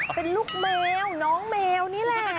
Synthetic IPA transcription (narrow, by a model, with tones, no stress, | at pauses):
pe˧nlu˦˥˩k̚mɛː˧wnɔː˨˦˥ŋmɛː˧wniː˦˥˨lɛ˧˩